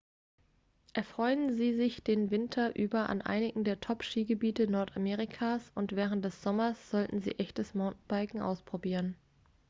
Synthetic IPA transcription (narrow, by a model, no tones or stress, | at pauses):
ʔɛɐfʁ̥ɔʏənziːzɪçd̥eːnvɪntʰɐʔyːbɐʔa̰nʔa̰ɪnɪɡŋ̩deːɐtʰɔpʃiːɡəbiːtənɔɐtamɛːʁɪkʰaːsʊntv̥ɛːʁ̞ənt̚d̥ɛsz̥ɔmɐsz̥ɔltn̩zḭːʔɛçtəsmaʊntn̩baɪkŋ̩ʔa̰ʊspʁ̥obiːʁən